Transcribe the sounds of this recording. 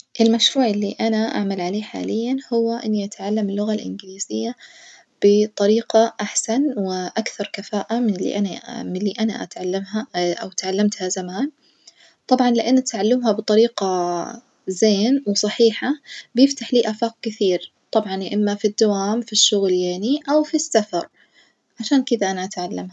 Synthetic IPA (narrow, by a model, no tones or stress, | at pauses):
ʔɪlmaʃɾuːʕɪlːiʔanaʔa̰ʕmalʕaleːħa̰ːlɪjːanhʊwːaʔɪnːiʔat̪ʕalːamɪlːʊɣalʔɪ̰nɡɪliːzɪjːa | b̥ɪt̪ˤɑɾiːqɑʔaħsanwɪʔakθɑɾˤkafaːʔamɪnɪlḭʔanamɪlːiʔana̰ʔa̰t̪ʕalːamaʔa̰wt̪ʕalːamt̪hazamaːn | t̪ˤɑbʕɑnlɪʔanːat̪ʕalːamɦabɨt̪ˤɑɾiːqɑ | zeːnwsˤɑħiːħabjɪft̪aħliːʔafaːq̚kɪθiːɾ | t̪ˤɑbʕɑnʔɪmːafid̪ːawaːmfiʃːʊɣljeːniʔawfisːafɑɾˤ | ʕaʃaːnkɪðaʔanaʔat̪ʕalːamha